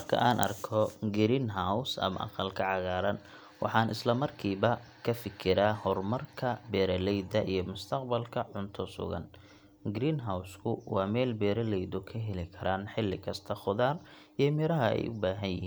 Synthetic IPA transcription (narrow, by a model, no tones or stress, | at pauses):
mɐrkʰɐ̰ʔaːnʔɐ̰rkʰɔɡɪɾiːnɦawsɐ̰mɐ̰ʔɑ̰qɑlkʰɐʕɑɣaːɾɐn | wʔɑ̰ħɑːnɪ̰slɐmɐrkʰiːβɐ | kʰɐfɪkʰɪɾaːhɔrmɐrkʰɐbɛːɾɐlɛjd̪ɐʔijɞmʊst̪ʰɐqbɐlkʰɐʕʊnt̪ʰɔsʊ̰ɣɐ̰n | ɡɾiːnɦawskʰʊwɑːmɛːlbɛːɾɐlɛjd̪ʊkʰɐɦɛlɪkʰɐɾaːnħɪlːɪkʰɐst̪ʰɐχʊðaːr | ijɔmɪɾɐɦɐɛ̰jʔʊbaːɦɐjjɪiː